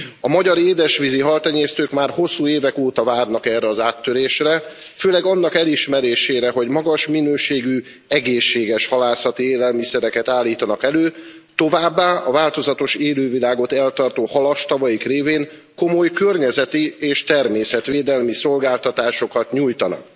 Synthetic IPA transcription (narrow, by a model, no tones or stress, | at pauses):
ɒmɒɟɒɾeːd̪ɛʃʋiziɦɒlt̪ɛɲeːst̪øːkmaːrho̞sːuːeːvɛkoːt̪ɒvaːrnɒkɛrɛɒzaːt̪ːøɾeːʃrɛ | føːlɛɡɒnːɒkɛliʃmɛɾeːʃeːɾɛɦo̞ɟmɒɡɒʃminøːʃeːɡy | ɛɡeːʃːeːɡɛʃhɒlaːsɒt̪ieːlɛlmisɛɾɛkɛt̪aːlːiːt̪ɒnɒkɛløː | t̪o̞vaːbːaːʔɒvaːlt̪o̞zɒt̪o̞ʃeːløːvilaːɡo̞t̪ɛlt̪ɒrt̪oːhɒlɒʃt̪ɒvɒjikreːveːŋ | ko̞mo̞jkørɲɛzɛt̪ieːʃt̪ɛrmeːsɛt̪ʋeːd̪ɛlmiso̞lɡaːlt̪ɒt̪aːʃo̞kɒt̪ɲuːjt̪ɒnɒ̰k̚